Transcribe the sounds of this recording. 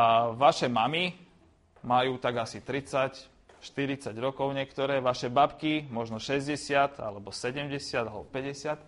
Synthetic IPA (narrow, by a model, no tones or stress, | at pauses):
ʋaʃɛmami | majuːt̪aɡasit̪ɾit͡sac | ʃt̪iɾit͡saɟɾɔkɔʊɲɪɛkt̪ɔɾɛːʋaʃɛbapkimɔʒnɔʃɛzɟɛsɪat̪a̰lɛbɔsɛɟɛmɟɛsɪad̪alɛbɔpɛɟɛsɪat̪